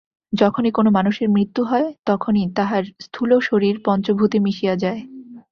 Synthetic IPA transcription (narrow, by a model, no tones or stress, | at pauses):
d͡ʑɔkʰonikonomanuʃeɾmɾit̪ːuɦɔet̪ɔkʰonit̪aɦaɾst̪ʰuloʃoɾiɾpɔnt͡ɕobʱut̪imiʃijad͡ʑae